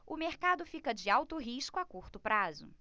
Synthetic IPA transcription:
ʊmeɾkad̪ʊfikɐd͡ʒɪawt̪ʊɦiʃkʊakuɾt̪ʊpɾazʊ̰

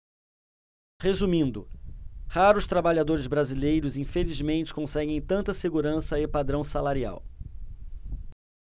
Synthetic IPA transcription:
hezumĩnd̪ʊ̰haɾʊst̪ɾabaʎad̪oɾɪzbɾazilejɾʊzĩfelizmẽnt͡ʃɪ̥kõsɛɡẽj̃t̪ɐ̃nt̪ɐseɡuɾɐ̃sɐɪpad̪ɾɐ̃w̃salaɾia̰w

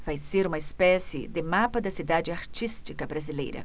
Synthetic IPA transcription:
vajseɾũmɐespɛsɪ̰d̪ɪmapɐd̪ɐsid̪ad͡ʒɪaɾt͡ʃist͡ʃikɐbɾazilḛjɾɐ̰

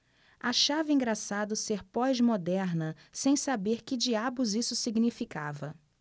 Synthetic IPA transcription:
aʃavɪĩɡɾasad̪ʊseɾpɔzmod̪ɛɾnɐsẽj̃sabeɾkɪd͡ʒiabʊzisʊsiɡnifikavɐ

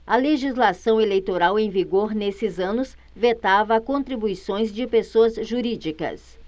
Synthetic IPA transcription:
ɐleʒizlasɐ̃w̃elejt̪oɾawẽj̃viɡoɾnesɪzɐ̃nʊs | vet̪avɐkõnt̪ɾibuisõj̃zd͡ʒɪpesoɐzʒuɾid͡ʒikɐ̰s

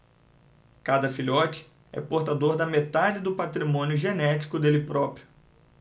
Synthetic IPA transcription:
kad̪ɐfiʎɔt͡ʃɪ̥ | ɛ̰poɾt̪ad̪oɾd̪ɐmet̪ad͡ʒɪd̪ʊpat̪ɾimõnjʊʒenɛt͡ʃi̥kʊd̪elɪpɾɔpɾjʊ

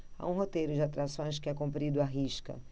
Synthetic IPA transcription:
a̰ũɦot̪ejɾʊd͡ʒɪat̪ɾasõj̃s̬kɪɛkõmpɾid̪ʊaɦiʃkɐ̰

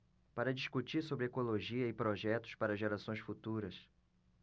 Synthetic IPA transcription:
paɾɐd͡ʒiskut͡ʃiɾsobɾɪekoloʒiɐɪpɾoʒɛt̪ʊ̥spaɾɐʒeɾasõj̃sfut̪uɾɐs

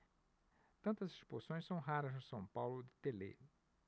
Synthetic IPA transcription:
t̪ɐ̃nt̪ɐzisposõj̃sɐ̃w̃ɦaɾɐznʊsɐ̃w̃pawlʊd̪ɪt̪elḛ

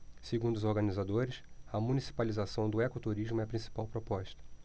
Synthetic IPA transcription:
seɡũnd̪ʊzoɾɡɐnizad̪oɾɪsɐmunisi̥palizasɐ̃w̃d̪ʊɛkʊt̪uɾiʒmʊɛɐpɾĩsi̥pawpɾopɔʃt̪ɐ̥

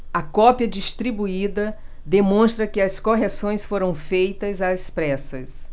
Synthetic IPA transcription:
ɐkɔpiɐd͡ʒist̪ɾibuid̪ɐ | d̪emõst̪ɾɐkɪɐskoɦesõj̃sfoɾɐ̃w̃fejt̪ɐzɐspɾɛsɐs

